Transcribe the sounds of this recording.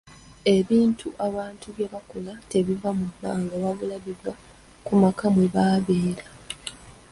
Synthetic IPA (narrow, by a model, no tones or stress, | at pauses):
e̞βiːntʰuʔaβaːntuβje̞βakolate̞βivamudaːŋɡaβaβulaβiβwa | kumakamweβaːβeːɾa